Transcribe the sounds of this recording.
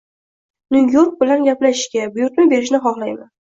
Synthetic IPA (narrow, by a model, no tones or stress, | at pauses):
nujjoɾk̚bɪlanɡʲaplaʃɪ̥ʃkʲabʊjʊɾk̪ʲmɪbe̞ɾɪʃ̬nɪχɒχlajman